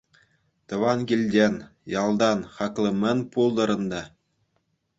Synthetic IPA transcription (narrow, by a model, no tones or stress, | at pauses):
t̪ɤ̆ʋɑnɡʲilʲdʲenʲjɑlˠd̪ɑnχɑklʲˠɤ̆mʲɘ̆nʲpulˠd̪ɤ̆ɾɤ̆nd̪ɑ